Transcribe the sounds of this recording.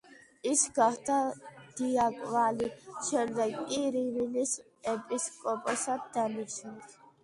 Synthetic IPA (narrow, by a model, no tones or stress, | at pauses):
isɡahd̪ad̪̥iakʼvaliʃɛɾd̪ɛkʼiɾivinis | ɛpʼiskʼɔpʼɔsat̪̚d̪aniʃut̪ʰ